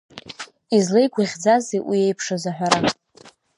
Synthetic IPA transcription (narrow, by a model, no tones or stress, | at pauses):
izle̞jɡʷaʁʲd͡zazejwiejpʰʂazaħᶣʷaɾa